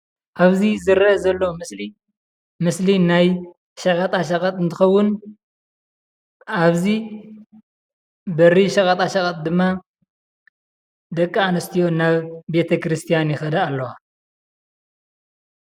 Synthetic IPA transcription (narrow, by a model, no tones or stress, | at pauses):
ʔaβzizɨɾɐzɐlːomɨsli | mɨslinaj | ʃɐkʼɐt̪ʼaʃɐkʼɐt̪ʼɨnt̪ʰɨxɐwːʊn | ʔaβzi | bɐriʃɐkʼɐt̪ʼaʃɐkʼɐt̪ʼd̪ɨmːa | d̪ɐkʼːaanɐst̪ʰijo̞naβbe̞t̪ʰɐkɾɨst̪ʰijanjɪxɐd̪ɐːlːɐwa